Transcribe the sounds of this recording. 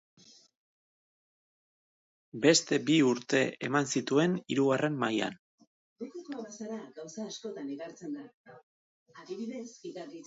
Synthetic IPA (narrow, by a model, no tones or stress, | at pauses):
be̞st̪e̞biuɾt̪e̞emansit̪ue̞niɾuɣare̞mːaja̰n | ɾukekoβasaɾaɡawsaːsko̞t̪aneɣaɾt͡se̞nd̪a | aðiβiðe̞siðai